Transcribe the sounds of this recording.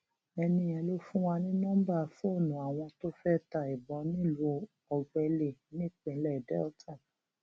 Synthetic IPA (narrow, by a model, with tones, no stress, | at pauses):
ɛ˧nĩ˧ɛ˧lo˦fũ˦wa˧nĩ˦nɔ̃˦ba˦˨fnũ˨a˨w̃ɔ̃˧to˦fɛ˦ta˨i˨bɔ˧˦nĩ˦˨lo˨˧˦ | ɔ˧ɡ͡bɛ˧le˦˨nĩ˦˨k͡pĩ˧˨˦lɛ˦˨dɛ̰˦ɔ˦tʰa˦˨